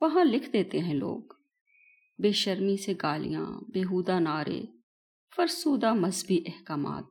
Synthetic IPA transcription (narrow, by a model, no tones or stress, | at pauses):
ʋɐɦãlɪkʰd̪eːt̪eɦɛ̃lo̰ːɡ | beːʃəɾmiseɡaːlḭjã̰ːbeːɦuːd̪anaːɾʔḛː | fɐɾsuːd̪amɐzbiʔɛhkaːma̰ːt̪̚